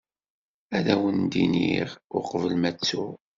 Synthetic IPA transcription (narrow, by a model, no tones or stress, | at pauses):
æðæwənd̪inḭʁʊ̰qvəlmæt͡sːu